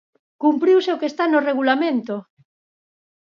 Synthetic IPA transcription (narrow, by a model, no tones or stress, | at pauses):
kumpɾiwseokest̪anoreɣ̞ulamẽnt̪o